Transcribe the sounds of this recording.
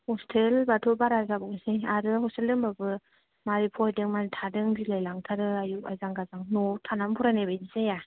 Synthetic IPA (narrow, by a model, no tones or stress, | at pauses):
hɔstʰelbatʰɔbaɾazabɔŋsejaɾɯhɔstelɯmbabɯ | maɾipʰɔjdɯŋmaɾitʰadɯŋdilajlaŋtʰaɾɯajua̰jzaŋɡazaŋnɔtʰanampʰuɾanebajdisaja